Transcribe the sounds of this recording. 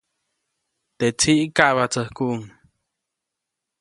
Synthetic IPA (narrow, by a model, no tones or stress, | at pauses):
t̪et͡sʰiʔkaʔβat͡səhkuʔuŋ